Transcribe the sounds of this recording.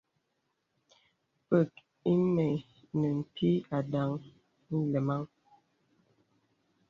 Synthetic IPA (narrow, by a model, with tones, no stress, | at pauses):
pə˨k | i˦me˨ | nə˨m̩˨pʰi˦a˨da˨ŋ | n̩˦lə˨ma˦ŋ